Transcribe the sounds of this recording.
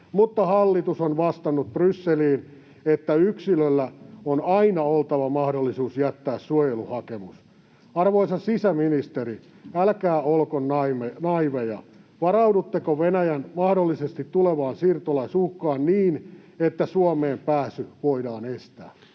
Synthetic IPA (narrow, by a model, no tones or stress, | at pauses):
mut̪ːɑhɑlːit̪usonʋɑst̪ɑnːut̪̚b̥rysːeliːn | et̪ːæyksilølːæonɑinɑolt̪ɑʋɑmɑhdolːisuːsjæt̪ːæːssuojeluhɑkemus | ɑrʋoisɑsisæminist̪eri | ælkæːolkonɑmenɑiʋejɑ̰ | ʋɑrɑwdut̪ːekoʋenæjænmɑhdolːisest̪it̪ːuleʋɑːnsirt̪olɑisuhkːɑːnniːnet̪ːæsuomeːmpæːsyʋoidɑːnest̪æ̰ː